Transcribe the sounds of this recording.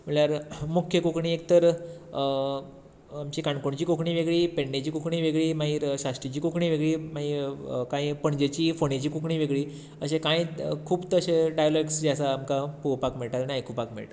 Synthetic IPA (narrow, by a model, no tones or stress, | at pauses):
m̤əɭɭjaɾmukʰjəkukɳiːek̚t̪əɾ | amt͡ɕiːkaɳkoɳt͡ɕiːkokʰɳiːʋeɡɭiːpeɳɖet͡ɕiːkokʰɳiːʋeɡɭiːmaɦiːɾɕast̪ɾit͡ɕiːkokʰɳiːʋeɡɭiːmaɦiːɾkãĩpəɳd͡ʑet͡ɕiːfoɳet͡ɕiːkukɳiːʋeɡɭiː | əɕekãĩkʰuːbt̪əɕeɖajlaɡsd͡ʑasaːmkapuʋpakmɛɭʈaɾaniajkupakmɛ̰ɭʈaɾ